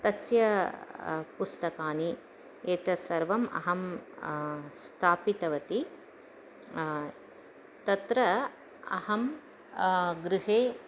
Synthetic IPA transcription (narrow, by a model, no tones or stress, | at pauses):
t̪ɐsjɐ | pust̪ɐkaːni | eːt̪ɐsɐɾʋɐmʔɐ̰ɦɐm | st̪ʰaːpit̪ɐʋɐt̪i | t̪ɐt̪ɾɐ | ɐ̰hɐm | ɡɾɪɦeː